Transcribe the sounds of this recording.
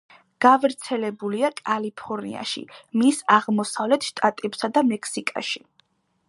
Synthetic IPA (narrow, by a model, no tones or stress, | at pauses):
ɡ̥avɾt̪sʰɛlɛbuliakʼalipʰɔɾnḭa̰ʃḭmisaʁmɔsavlɛt̪ʰʃt̪ʼat̪ʼɛbsad̪amɛkʰsikʼa̰ʃi